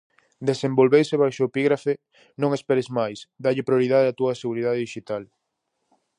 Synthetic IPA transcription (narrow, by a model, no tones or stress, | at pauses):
d̪esembolβejseβajʃoepiɣɾafe | nõŋespɛɾezmajsd̪aʎɪpɾjoɾið̞aðeat̪uɐseɣ̞uɾið̞aðeðiʃit̪al